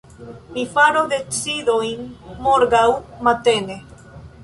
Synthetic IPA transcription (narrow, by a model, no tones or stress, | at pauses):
mifaɾoðet͡siðojŋmoɾɣawmat̪ene